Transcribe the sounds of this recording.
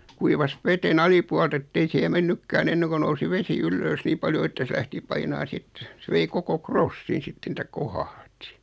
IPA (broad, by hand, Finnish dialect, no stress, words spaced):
kuiʋɑs ʋeten ɑlipuɑlt etːei sihe menːykːæːn enːeŋko nousi ʋesi ylːøːs niː pɑljo etːæ sĕ læhti pɑinɑː sit sĕ ʋei koko krosːin sitːen ĕtˑæ kohɑhti